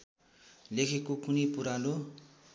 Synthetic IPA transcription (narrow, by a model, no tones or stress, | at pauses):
lekʰekokunipuɾalo